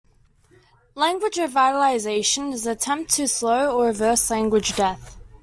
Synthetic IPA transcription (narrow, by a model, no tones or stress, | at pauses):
læ̃ŋɡwɪd͡ʒəvaɪɾəlaɪzeɪʃə̃nɪzətʰɛ̃mp̚tʰəsləʊəɹɪvɜˑslæ̃ŋɡwɪd͡ʒdɛθ